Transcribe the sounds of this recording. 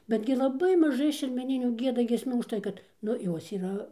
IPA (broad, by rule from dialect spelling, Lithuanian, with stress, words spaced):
ˈbʲæːdʲɡʲɪ lˠɐˈbɐɪ mɐˈʒɐɪ ʃʲɛrʲmʲɛˈnʲɪnʲuː ˈɡʲiɛdɐ ɡʲiɛsʲˈmʲuː ʊʃˈtɐɪ kɐt ˈnʊ ˈjoːs iːˈrɐ